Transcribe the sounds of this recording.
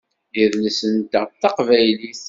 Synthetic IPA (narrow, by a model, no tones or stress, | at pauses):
iðləsənt̪əθɑqvæjliθ